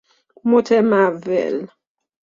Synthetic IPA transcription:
motʰɛmavɛ̰l

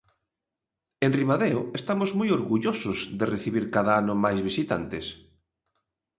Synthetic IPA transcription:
enrimaðeʊest̪amozmojoɾɣuʎosozðereθiβiɾkaðaanʊmajzβ̞isit̪a̰nt̪es

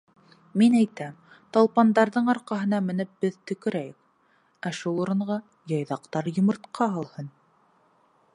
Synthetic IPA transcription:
minæjt̪æm | t̪ɑlˠpɑnd̪ɑɾðɤɴɑɾqɑɦɤ̆nɑmɘ̆nɘp̚bɘðt̪ɵ̆kɘ̆ɾæjɘk | æʃulˠŏɾɤ̆ɴʁɑ | jɑjðɑqt̪ɑɾjŏmŏɾt̪qʰɑɑlˠhɤn

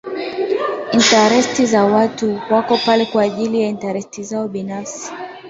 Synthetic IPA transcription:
intaɾɛstizawatuwakɔpalɛkwaːʄilijaintaɾɛstizaɔɓinafsi̥

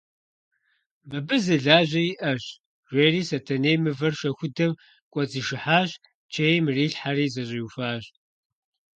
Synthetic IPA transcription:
mɨbɨzɨɮaːʑɐjiʔɐɕ | ʒʷeːriːsɐtʰɐneːmɨvɐrʃɐxʷʊdɐm | kʷʼɐt͡siʃɪħaːɕ | t͡ʃʰejmɨriːɬħariːzɐɕʼifaːɕ

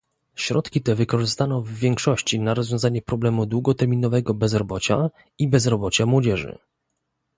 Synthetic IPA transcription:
ɕɾɔt̪kʲit̪ɛvɘkɔʐɘst̪anɔ̃vːʲjɛŋkʂɔɕt͡ɕinaɾɔzvʲjɔ̃zaɲɛpɾɔblɛmud̪wuɡɔt̪ɛɾmʲinɔvɛɡɔbɛzɾɔbɔt͡ɕa̰ | ibɛzɾɔbɔt͡ɕamwɔd͡ʑɛʐɘ̰

